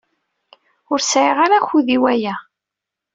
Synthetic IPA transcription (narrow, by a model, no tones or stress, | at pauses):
ʊɾsʕiʁaɾaçuðiwæjæ